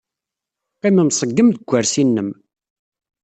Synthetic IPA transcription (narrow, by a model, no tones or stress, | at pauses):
qiməmsˤəɡːəmðəɡʷːəɾsinːəm